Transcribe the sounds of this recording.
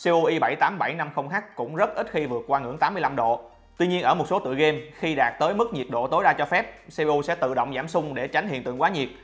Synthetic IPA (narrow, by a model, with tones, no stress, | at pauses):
se˧ʔu˧ʔi˧ɓa˧˩jt̪aː˨˦mɓa˧˩jna˧mxə˧wŋ͡mxa˦˥k̚kʊ̰˧˥ŋ͡mzə˦˥t̚ʔi˦˥t̚xi˧vɨ˨˩ət̚kwaː˧ŋɨ̰˧˥əŋt̪aː˨˦mːɨ˧əjla˧mɗo̰˧˨ | t̪wi˧ɲi˧ənʔəː˧˩mo˨˩t̚so˨˦t̪ɨ̰˧˨jɣe˧mxi˧ɗaː˨˩t̚t̪əː˨˦jmɨ˦˥k̚ɲi˨˩ət̚ɗo̰˧˨t̪o˨˦jɗaː˧t͡ɕɔ˧fɛ˦˥p̚se˧ʔu˧sɛ̰˧˥t̪ɨ̰˧˨ɗə̰˧˨wŋ͡mzaː˧˩msʊ˧ŋ͡mɗe˧˩t͡ɕa˨˦jŋ̟hḭ˧˨nt̪ɨ̰˧˨əŋkwaː˨˦ɲi˨˩ət̚